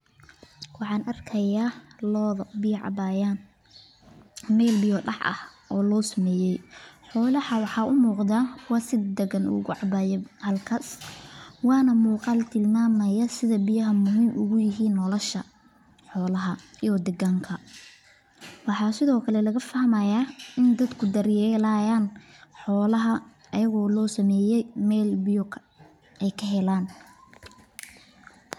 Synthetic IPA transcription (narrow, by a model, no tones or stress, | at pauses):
wɑħɑːnʔɐrkʰɐjaːlɔːðbɪjʕɑ̰baːjaːn | mɛːlbɪjɔɖɑ̰ħɐ̰hʔɔːlɔːsɐmɛːjɛjħɔːlɐhɐwɑħɑːʔʊmuːqd̪aːwɑːsɪd̪ɐɣɐnʔʊ̰ɣʊʕɑbaːjɛhɐlkʰɐs | wɑːnɐmuːqɑlt̪ʰɪlmaːmɐjɐsɪðɐbɪjɐɦɐmʊɦɪmʔʊɣʊjɪɦiːnːɔlɔʃɐ | ħɔːlɐɦɐjɔd̪ɛɣaːŋkʰɐ | wɑħɑsɪðɔːkʰɐlɛlɐɣɐfɐhmɐjaːɪnd̪ɐd̪kʰʊd̪ɐɾjɛlajaːnħɔːlɐɦɐ | ɐjɐɣɔːlɔːsɐmɛːjɛjmɛːlbɪjɔkʰɐ | ɛjkʰɐɦɛlaːn